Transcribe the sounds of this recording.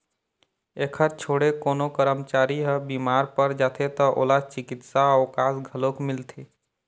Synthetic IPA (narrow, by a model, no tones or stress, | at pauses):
ekʰəɾt͡ʃʰoːɽekoːnokəɾəmt͡ʃaːɾiɦəbiːmaːɾpəɾd͡ʒaːt̪ʰet̪ɔʔo̰ːlat͡ʃɪkɪt̪saɔːkaːsɡʱəlokmɪlt̪ʰeː